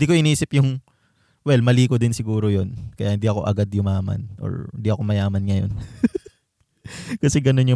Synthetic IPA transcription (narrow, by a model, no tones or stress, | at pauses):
ɪnd̪iːkoʔɪniiːsɪpjʊŋ | wɛlmɐliːkod̪ɪnsɪɡuːɾojo̞nkɐjahɪnd̪iɐko̞ʔɐɡad̪jʊmaːmɐ̰nʔo̰ɹɪnd̪iʔɐko̞mɐjaːmɐnŋɐjo̞̰n | kɐsɛɡɐno̞njʊ